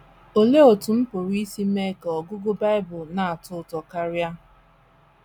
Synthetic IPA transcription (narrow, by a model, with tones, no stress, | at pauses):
o˨le˦o˨tʊ˨m̩˦pʊ˨ɾi˦si˦me˦kɔ˨ɡʊ˦ɡʊ˦ba˦ɪ˦bʊ˨lna˨a˨tʊ˦˨tɔ˨ka˦ɾja˦